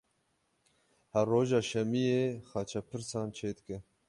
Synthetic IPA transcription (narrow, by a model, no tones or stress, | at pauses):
hɛrːoːʒɑːʃɛmijexɑːt͡ʃʰɛpʰɨɾsɑːnt͡ʃʰeːd̪ɨkɨ